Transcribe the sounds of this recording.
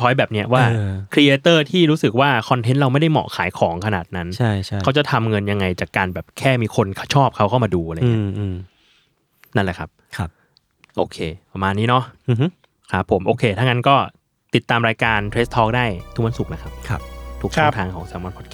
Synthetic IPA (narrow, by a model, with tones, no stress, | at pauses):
t̪ʰɔː˦˥jbɛː˨˩p̚ni˦˥ɐwaː˥˩˧kʰɾi˧ʔeː˧t̪ɤː˥˩t̪ʰiː˥˩ɾuː˦˥sɯ˨˩k̚waː˥˩kʰɔ˧nt̪ʰe˦˥nɾa˧wma˥˩jda˥˩jmɔ̰˨˩ʔkʰaː˩˦jkʰɔː˩˦ŋkʰa˧naː˨˩t̪̚na˦˥nt͡ɕʰa˥˩jʰka˦˥wt͡ɕa˨˩t̪ʰa˧mŋɤ˧nja˧ŋːa˧jt͡ɕaː˨˩kːaː˧nbɛː˨˩p̚kʰɛː˥˩miː˧kʰo˧nkʰa˥˩t͡ɕʰɔː˥˩p̚kʰa˦˥˩wkʰa˥˩wmaː˧duː˧la˧ŋi˦˥˧ɯː˧ | na˥˩lɛ˨˩kʰa˦˥p̚kʰ | ʔo̰ː˧kʰeː˧pa˧maː˧nːiː˦˥nɔ˦˥˧ | kʰa˦˥pʰːo˨˩˦mʔoː˧kʰeː˧t̪ʰa˥˩ŋa˦˥nkɔː˥˩ | t̪i˨˩t̪ːaː˧mɾaː˧jkaː˧nt̪ʰɾe˦˥st̪ʰɔː˦˥k̚daː˥˩jt̪ʰu˨˩kwa˧nsu˨˩k̚na˦˥kʰa˦˥p̚ʰa˦˧˩t̪ʰu˨˩kʰa˥˧tʰaː˧ŋkʰɔː˩˦ŋsɛː˨˩˦wa˧npʰɔ˦˥t̪̚kʰː